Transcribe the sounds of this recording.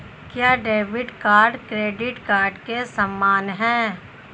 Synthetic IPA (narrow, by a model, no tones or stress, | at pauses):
kjaːɖeːʋɪɖkaːɾɖkɾeːɖɪʈkaːɾɖkesɐmːaːnɦɛ̃ː